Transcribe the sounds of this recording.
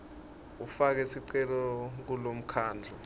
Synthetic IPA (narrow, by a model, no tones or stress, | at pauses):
ufak̬ɛsiǀɛlɔk̬ulom̩kʰaːnd͡ɮʱɔ